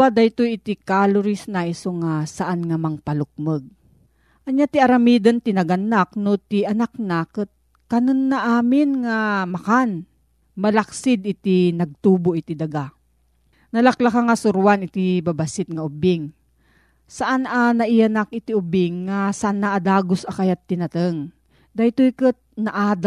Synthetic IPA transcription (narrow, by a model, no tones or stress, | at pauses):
bad̪ajt̪ojɪt̪ikalʊɾisnaisoŋasaʔanŋamɐŋpalʊk̚məɡ̚ | ʔɐɲat̪iʔɐɾamid̪ɐnt̪ɪnɐɡanak̚not̪iɐnak̚nakɨt̪̚ | kɐnonːaʔaːmɪnŋamɐkan | mɐlaksɪd̪ɪt̪inɐɡ̚t̪uːboʔɪt̪id̪ɐɡa | nɐlɐklakaŋasʊɾuwanɪt̪ibabɐsɪt̪̚ŋɐʔʊbɪŋ | sɐʔananɐʔianak̚ʔɪt̪iʔʊbɪŋːasaʔanːaʔad̪aːɡosɐkajat̪ːɪnɐt̪əŋ | d̪ajt̪ojkɨt̪̚nɐʔad̪